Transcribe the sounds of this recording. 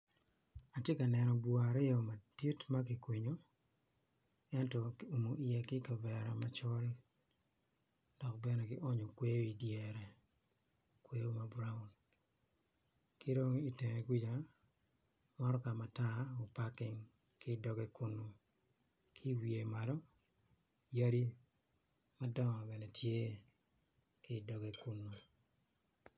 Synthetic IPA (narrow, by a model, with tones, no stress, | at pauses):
a˨tje˦ka˨nɛ˨nɔ˨bo˨a˨ɾɪ˦ɔ˨ma˨di˦tma˦kɪ˨kwi˨ɲo | ɛ˦ntɔ˨ku˨mo˨ʔijɛ˨kɪ˦ka˨bɛ˨ɾɔ˨ma˨t͡ʃɔ˦l | dɔ˨kbɛ˦nɛ˨ɡɪ˦ʔɔ˦ɲo˨kwe˦jo˦i˨djɛɾɛ˨ | kwe˦jo˦ma˨bɾa˦u˨n | ki˦do˦ŋi˦tɛ˨ŋe˨ɡʷi˦d͡ʒa˨ | mɔ˦ɾɔ˦ka˨ma˨ta˦o˨pa˦kɪ˨ŋ | kɪ˦dɔ˨ɡe˦ku˦nːo˦ | kʰɪ˦wi˨e˨ma˨ɾɔ˦ | ja˦ɾi˦ | ma˦dɔ˦ŋɔ˨bɛ˨nɛ˨tʰje˦ | kɪ˦˨dɔ˨ɡe˨ku˦nːo˨